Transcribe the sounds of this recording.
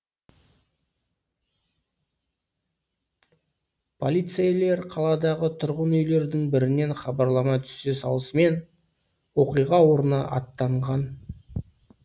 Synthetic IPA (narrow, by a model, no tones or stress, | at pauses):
pʰo̞lʲˠijt̪sejle̞ɾqʰɑlˠɑd̪ɑʁət̪ʰʊɾʁənʏjle̞ɾd̪ɪŋbɪɾɪne̞ɴχɑbɑɾlˠɑmɑt̪ʰʏ̥se̞sɑlˠəsəme̞n | wo̞qijʁɑwo̞ɾənɑ̰ʔɑ̰t̪ːɑɴʁɑn